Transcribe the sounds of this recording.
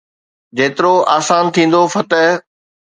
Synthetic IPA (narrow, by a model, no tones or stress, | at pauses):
d͡ʑeːt̪ɪɾoaːsaːnt̪ʰĩːn̆d̪ofɐt̪əɦ